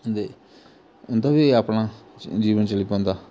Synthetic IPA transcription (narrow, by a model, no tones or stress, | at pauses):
nd̪e | ʊnd̪aːbiɐpnãd͡ʒiːʋənt͡ʃɐlipõːnd̪aː